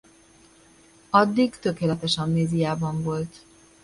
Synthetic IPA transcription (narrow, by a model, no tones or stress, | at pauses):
ɒd̪ːiɡt̪ø̞keːlɛt̪ɛʃɒmneːzijaːbɒɱvo̞lt̪